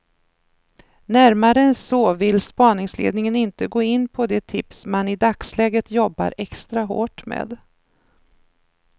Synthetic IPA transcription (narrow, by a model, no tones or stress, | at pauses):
næɾmaɾəɛnsɔvɪlspɑːnɪŋslḛːd̪nɪŋənɪnt̪əɡoːɪnːpʰɔd̪ɛt̪ʰɪpsmanɪd̪akslɛːɡət̪jɔbːa̰ɾɛkst̪ɾaɦo̰ːʈmḛːd̪